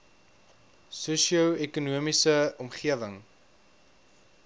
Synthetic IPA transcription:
susiəwɛkunuəmisəɔmχiəvəŋ

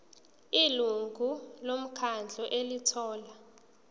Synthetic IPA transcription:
iluŋɡʱulom̩kʰand͡ɮʱɔʔelitʰɔːla

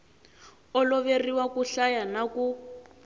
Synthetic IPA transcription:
ɔlɔβeriwakuɬajanaku

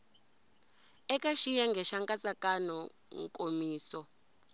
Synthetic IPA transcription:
ɛkaʃijaŋɡʱɛʃaŋkʼat͡sʼakʼanɔŋkʼomiːsɔ

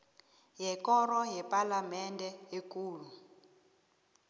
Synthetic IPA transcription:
jɛkɔɾɔjɛpʼalamɛndʱɛekʼuːlu

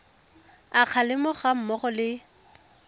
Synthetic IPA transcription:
aq͡χʰalɪmʊχam̩mɔχɔlɪ

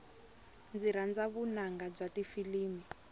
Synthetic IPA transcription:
nd͡ziɾand͡zaβunaŋɡab͡ʐatifiliːmi

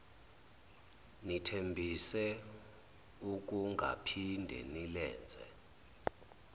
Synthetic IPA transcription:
nitʰembʱisɛ | uk̬ʼuŋɡʱa̰pʰindʱɛ̰nilɛ̰ːnd͡zʱɛ̰

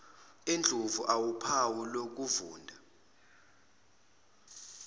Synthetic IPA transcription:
end͡ɮʱuvuʔawupʰawulok̬uvuːndʱa

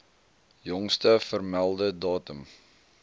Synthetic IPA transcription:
jɔŋstəfərmælˠdədɑːtəm

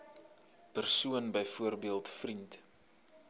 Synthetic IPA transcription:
pərsuənbəjfuərbiəlˠtfrint

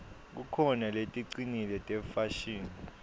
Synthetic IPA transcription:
k̬ukʰɔnaletʼiǀinilɛtʼɛfaʃiːni

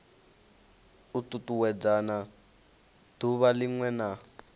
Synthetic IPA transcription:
ututuwɛd͡zana | tuβaliŋwɛna

